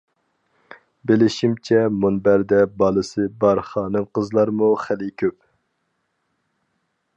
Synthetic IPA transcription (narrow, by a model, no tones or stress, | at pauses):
bɪlɪʃimt͡ʃʰɛmunbæɾd̪ɛbɑlˠɨsɨbɑɾχɑːnɨŋqəzlˠɑɾmuχælɪkʲʰøp